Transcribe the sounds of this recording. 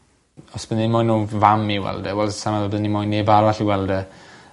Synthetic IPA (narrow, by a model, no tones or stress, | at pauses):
ɔsb̥ənimɔjnuvamiwɛ̰lˠdɛwɛlˠdsamavɔbənimojnːebaɾvaɬiwɛlˠdɛ